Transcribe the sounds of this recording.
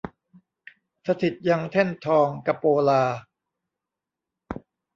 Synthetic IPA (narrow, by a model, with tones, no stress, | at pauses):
sa˧t̪ʰi˨˩t̪̚ja˧ŋt̪ʰe˥˩nt̪ʰɔː˧ŋka˧˩pːoː˧laː˧